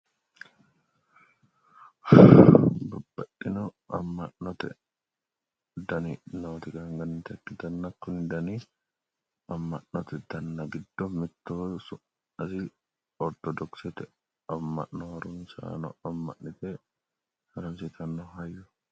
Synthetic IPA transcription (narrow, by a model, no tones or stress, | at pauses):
bɐb̥ːɐʔɪnɔ | ɐ̰mːɐnːɔt̪ɛ̰ | d̪ɐninoːt̪ɪkɐŋɡɐnːɪt̪ɐkːɪt̪ɐnːɐkːʊnd̪ɐni | ɐmːɐnːɔt̪ɛd̪ɐnːɐɡɪd̪ːɔmɪt̪ːoːsʊ | ɐsɪ | ɔɾt̪ɔd̪ɔksɛt̪ɛ | ɐmːɐ̰ʔnɔhɐɾʊmsa̰ːnɔ̰ɐmːɐ̰ʔnɪt̪ɛ | hɐɾɐmsɪt̪ʰɐnːɔhɐjːʊ